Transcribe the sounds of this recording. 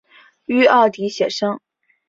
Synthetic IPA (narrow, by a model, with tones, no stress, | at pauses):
y˥ɑ˥˩ʊt̪i˧˥ɕjɛ˨˩ʂɤ˥ŋ